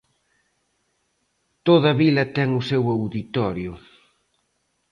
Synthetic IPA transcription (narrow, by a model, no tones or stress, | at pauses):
t̪oð̞ɐβilɐt̪ɛŋʊsewawðit̪ɔɾjʊ